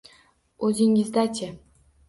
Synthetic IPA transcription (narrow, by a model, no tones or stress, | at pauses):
ɵzɪŋɪzd̪at͡ʃʰʲe